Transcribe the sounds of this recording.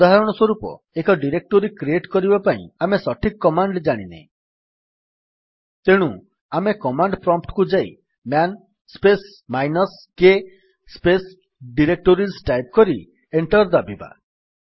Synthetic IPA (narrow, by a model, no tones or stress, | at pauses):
ud̪aɦaɾɔɽ̃ɔswɔɾupɔ̰ | ekɔɖiɾek̚ʈoɾikɾieʈkɔɾibapaḭ̃amesɔʈʰikkːɔmaɳɖd͡ʒaɽ̃inḛ̃ | t̪eɽ̃u | amekɔmaɳɖpɾɔmpʰʈkud͡ʒaj | mjan | spes | majnɔs | ke | spes | ɖiɾek̚ʈoɾisʈajp̚kɔɾi | eɳʈɔɾd̪abiba̰